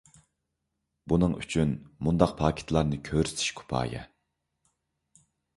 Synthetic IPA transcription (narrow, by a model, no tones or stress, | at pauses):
bunɨŋy̰t͡ʃʰynmund̪ɑq̚pʰɑːkʲʰe̥t̪ʰlˠɑɾnɨkʲʰøɾ̥t̪ʰi̥ʃkʰu̥pʰɑ̰ːjɛ̰